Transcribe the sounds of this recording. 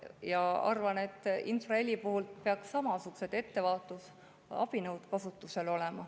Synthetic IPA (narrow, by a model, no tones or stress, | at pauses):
jɑɑ̰rvɑne̞t̪ːˑinsrɑe̞lʲːipuɦult̪pe̞ɑksːɑmɑsuɡ̥u̥se̞d̪̥e̞t̪ːe̞vɑːt̪ːˑus | ɑ̰b̥inɤwd̪̥kɑsut̪ːˑuse̞lo̞le̞mɑ